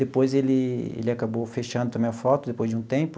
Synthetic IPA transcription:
d̪epojzelɪḛlɪakabowfeʃɐ̃nd̪ʊt̪ɐ̃mẽɐfɔt̪ʊd̪epojzd͡ʒɪũt̪ẽmpʊ

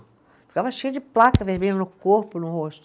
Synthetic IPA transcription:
fi̥kavɐʃejʊd͡ʒɪplakɐvehbẽd̪ʊnʊkoɾpʊnʊhoʃt̪

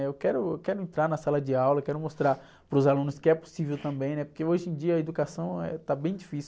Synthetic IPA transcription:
ewkɛɾʊewkɛɾʊẽnt̪ɾaɾnɐsalɐd͡ʒɪawlɐkɛɾʊmost̪ɾaɾ | pɾʊzalũnʊskɪɛpo̥sivewt̪ɐ̃bẽj̃nɛpoɾkeoʒẽd͡ʒiɐed̪ukasɐ̃w̃ɛ̰t̪abẽj̃d͡ʒifis

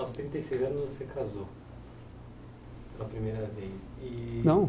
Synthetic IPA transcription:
wst̪ɾĩt̪ɐjsejzɐ̃nʊzvosekʰazo | pelɐpɾimejɾɐvejsɪnɐ̃w̃

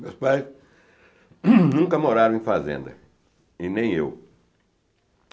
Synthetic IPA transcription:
mewspajs | nũŋkɐmoɾaɾɐ̃ẽj̃fazḛ̃nd̪ɐ̰ | inẽj̃ḛw

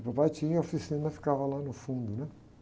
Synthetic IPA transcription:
pɐpajt͡ʃĩɲɐofisĩnɐfi̥kavɐlanʊfũnd̪ʊnɛ

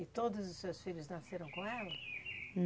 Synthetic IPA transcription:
ɪt̪od̪ʊzʊsːewsfiʎʊznaseɾɐ̃w̃kõɛlɐn

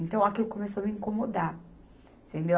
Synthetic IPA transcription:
ẽnt̪ɐ̃w̃akilʊkomesoamiĩŋkomod̪a | sẽnd̪e

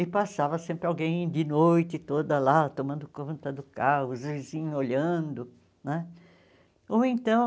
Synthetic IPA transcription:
ɪpasavɐsẽmpɾɪawɡẽj̃d̪ɪnojt̪ɪt̪od̪ɐlat̪omɐ̃nd̪ʊkõt̪ɐd̪ʊkahʊzvizĩɲoʎɐ̃d̪ʊ | nɛ | oẽnt̪ɐ̃

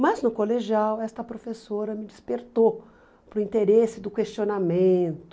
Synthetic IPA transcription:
mɐznʊkoleʒiawɛst̪ɐpɾofesoɾɐmɪd͡ʒɪspeɾt̪o | pɾʊĩnt̪eɾesɪd̪ʊkest͡ʃionamẽt̪ʊ

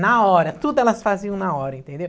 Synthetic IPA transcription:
naɔɾɐt̪ud̪ʊɛlɐsfaziɐ̃w̃naɔɾɐĩt̪ẽnd̪ew

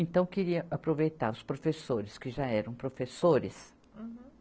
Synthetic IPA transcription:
ẽnt̪ɐ̃w̃keɾiɐʔapɾovejt̪aɾʊspɾofesoɾɪskɪʒaɛɾɐ̃w̃pɾofesoɾɪs

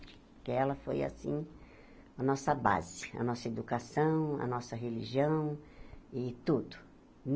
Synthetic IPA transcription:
t͡ʃɪ̥pɾkeɛlɐfoja̰sĩ | ɐnɔsɐba̰zɪɐ̰nɔsɐed̪ukasɐ̃w̃ɐ̰nɔsɐɦeliʒiɐ̃w̃ɪt̪ud̪ʊ | n

